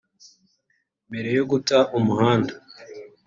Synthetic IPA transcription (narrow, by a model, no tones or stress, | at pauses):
mbe̞ɾe̞joɡutaʔumuhaːnda